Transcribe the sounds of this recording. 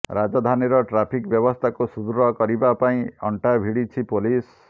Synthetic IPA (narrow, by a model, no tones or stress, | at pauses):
ɾad͡ʒɔd̪ʱaniɾɔʈɾapʰikbjɔbɔst̪ʰakusud̪ɾɔkɔɾibapaĩɔɳʈabʱiɽit͡ʃʰipolis